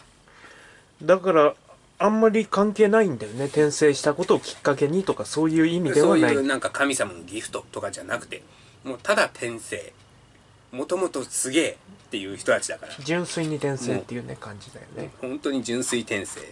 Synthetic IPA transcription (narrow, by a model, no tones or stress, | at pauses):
d̪akaɾa | ãmːaɾʲikãŋke̞ːnaĩnd̪ajo̞ne̞t̪ẽ̞ɰ̃se̞ːɕi̥t̪ako̞t̪o̞ːkʲi̥kːak̬e̞ɲ̟it̪o̞kaso̞ːjɯ̟ːimʲid̪e̞oβanainãŋkakʰamʲisamanoɡʲiɸt̪o̞t̪o̞kad͡ʑanakɯ̟̥t̪e̞ | moːt̪ad̪at̪ʰẽ̞ɰ̃se̞ː | mo̞t̪o̞mo̞t̪o̞sɨɡe̞ːt̪ːe̞jɯ̟ːçi̥t̪o̞t̪at͡ɕid̪akaɾad͡ʑɨ̃ɰ̃sɨiɲ̟it̪ẽɰ̃se̞ːt̪ːe̞jɯ̟ːne̞kãɲ̟d͡ʑid̪ajo̞̰nḛhõ̞nt̪o̞ɲ̟id͡ʑɨ̃ɰ̃sɨit̪ẽ̞ɰ̃sḛː